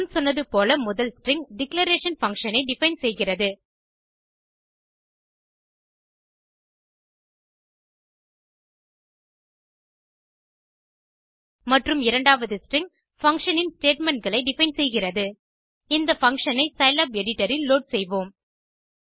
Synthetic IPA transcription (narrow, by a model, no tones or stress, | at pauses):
nsɔnːɐðɯpoːlɐmʊðɐlsʈrɪŋɡɖɪklɐɾeːʂɐnfɐŋʂɐnɐɪɖɪfɐɪnsɛjɣɪrɐðɯ | mɐʈrɯmɪɾɐɳɖaːʋɐðɯsʈrɪŋɡ | fɐŋkʂɐnɪnsʈeːʈmɛɳʈ̚ɡɐɭɐɪɖɪfɐɪnsɛjɣɪrɐðɯ | ɪnd̪ɐfɐŋʂɐnɐɪsɐɪlaːpɛɽɪʈːɐɾɪlːoːɖ̚sɛjʋoːm